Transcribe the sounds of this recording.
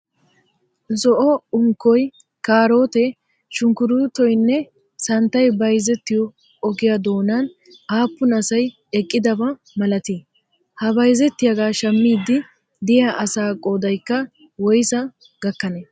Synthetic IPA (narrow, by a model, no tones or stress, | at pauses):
zɔʔɔʊŋkːɔj | kaːɾoːt̪ɛ | ʃʊŋkʊɾʊt̪ɔjnːɛ | sɐnt̪ːɐjbɐjzɛt̪ːɪjɔ | ɔɡɪjɐd̪o̞ːnɐn | aːpːʊnɐsɐj | ɛkʼːɪd̪ɐbɐ | mɐlɐt̪i | hɐbɐjzɛt̪ːɪjɐɡaːʃɐmːiːd̪ːɪ | d̪ɪjaʔɐsaːkʼoːd̪ɐjkːɐ | wɔjsɐ | ɡ̥ɐkːɐnɛ